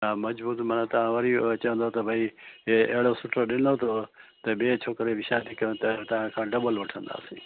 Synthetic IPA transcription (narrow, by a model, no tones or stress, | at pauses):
ãːmɐd͡ʒbuːt̪mənãt̪ɐʋãːʋəɾit͡ʃəə̃nd̪ot̪ɐbʱaːieʔeːɽoːsʊʈʰɾoɗɪnd̪oːt̪ʰot̪ɐɓeːt͡ʃʰoːkɾeʋɪʃaːd̪ikə̃t̪ɐt̪ɐʋãːkʰãːɖəbəlʋəʈʰə̃nd̪a̰ːsĩː